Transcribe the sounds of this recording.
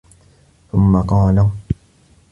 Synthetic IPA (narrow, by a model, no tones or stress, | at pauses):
θʊmːaqɑːlaŋ